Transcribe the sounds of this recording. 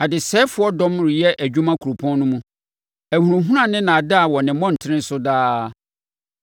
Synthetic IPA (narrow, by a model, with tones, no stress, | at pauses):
a˨dɪ˨sɛː˦fʊ˨˦ɔ˦dɔ̃˦mɾɪ˨jɛ˦ʔæ˨d͡ʑᶣũ˦mã˦kʰu˨ɾo˨pʰɔ̃˦n˦nʊ̃˦mũ˦ | æ˨hu˨ɾũ˨ɦũ˦ɾã˨nɪ̃˦nã˨dɪ˦a˨wɔ˨nɪ̃˨mɔ̃˦n̩˨tʰɪ˦ɾɪ̃˦n̩˦sʊ˦daː˦